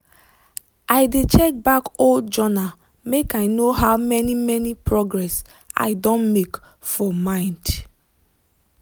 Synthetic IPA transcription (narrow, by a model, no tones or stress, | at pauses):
aɪdet͡ʃɛk̚bakold͡ʒɔna | mekaɪnoɦaʊmɛnimɛnipɹɔɡɹɛs | a̰ɪdõnmek | fɔmãɪ̃nd